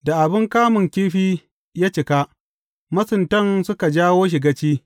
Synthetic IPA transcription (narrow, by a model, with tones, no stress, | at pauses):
da˨ʔa˨bɪ˦ŋkaː˦mʊ˨ŋkʲiː˦ɸiː˦ | jaː˦t͡ʃɪ˨ka˦ | mɐ˦sʊ˨ntɐ˦nsʊ˦ka˨d͡ʒaː˦woː˦ʃ̬ɪ˨ɡa˦t͡ʃiː˦